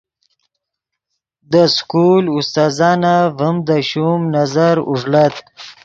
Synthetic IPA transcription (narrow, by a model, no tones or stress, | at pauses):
d̪əskulʊst̪ɑːzɑːnavəmd̪əʃumnazaɾʊ̰ʐlat̪